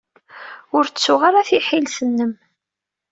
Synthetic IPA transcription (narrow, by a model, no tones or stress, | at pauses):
ʊɾsːʊʁaɾaθiħilsənːəm